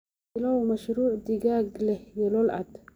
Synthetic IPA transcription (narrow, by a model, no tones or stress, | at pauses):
lowmaʃɾuːʕd̪iɡaːɡlehjelolʔa̰d̪